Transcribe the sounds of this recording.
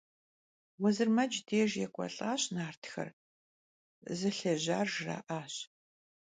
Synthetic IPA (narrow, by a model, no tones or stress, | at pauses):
wɐzɨrmɐd͡ʒdeːʒjɛkʷʼɔ̰ɬʼaːɕnaːrtʰxɐ̰r | zɨɬɐʑa̰ːrʒra̰ːʔaːɕ